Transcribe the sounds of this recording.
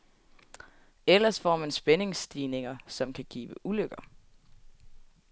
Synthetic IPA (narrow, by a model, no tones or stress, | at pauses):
elɐsfɒ̰ːmænsb̥ene̝ŋsd̥iːne̝ŋɐsɒ̽mkʰæɡ̥ḭːʋəʔuløɡ̥ɐ